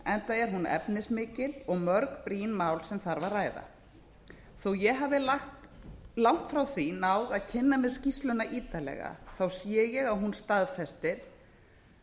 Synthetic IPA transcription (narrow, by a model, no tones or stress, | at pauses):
ɛnt̪aɛɾ̥ɦunɛ̰pnɪsmɪːcɪlɔɣmœɾkpɾiːnmaːwlsɛmθaɾvarraːjða̰ | θɔwjɛɣɦaːvɪlaxt̪ | lawn̥t̪fɾawθinaːwðaðcʰɪnːamɛðscist̪lʏnaʔiːt̪alɛ̰ɣa̰θawsjɛːjɛɣawɦunst̪aðfɛst̪ɪɾ̥